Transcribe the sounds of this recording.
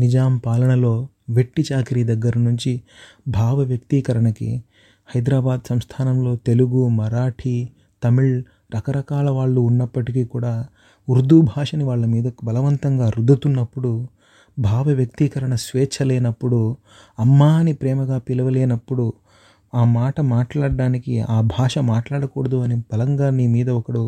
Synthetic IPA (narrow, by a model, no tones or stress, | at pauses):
nid͡ʒaːmpaːlɐɳɐlo̞ː | ʋeʈːit͡ʃaːkɾiːd̪ɐɡːɐɾɐnuɲt͡ʃi | bʱaːʋɐʋjɐk̚t̪iːkɐɾɐɳɐkḭ | hɐjd̪ɾaːbaːd̪sɐmst̪ʰaːnɐmlo̞ːt̪e̞luɡumɐɾaːʈʰi | t̪ɐmiɭ | ɾʔɐkɐɾɐkaːlɐʋaːɭːuːnːɐpːɐʈikikuːɽaː | uɾd̪ubʱaːʂɐniʋaːɭːɐmiːd̪ɐbɐlɐʋɐnt̪ɐŋɡaːɾud̪ʱːɐt̪unːɐpːuɽu | bʱaːʋɐʋjɐk̚t̪ikɐɾɐɳɐsʋɛːt͡ʃʰɐlɛːnɐpːuɽu | ɐmːaːnipɾɛːmɐɡaːpilɐʋɐleːnɐpːuɽu | aːmaːʈɐmaːʈlaːɽɖaːnikiaːbʱaːʂɐmaːʈlaːɽɐkoːɽɐd̪uɐnibɐlɐŋɡanimiːd̪ɐɔkɐɽu